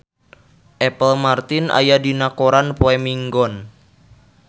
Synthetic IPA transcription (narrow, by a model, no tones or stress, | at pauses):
ʔɛpəlmart̪ɪnʔa̰jadinakoɾanpoɛmiŋɡɔn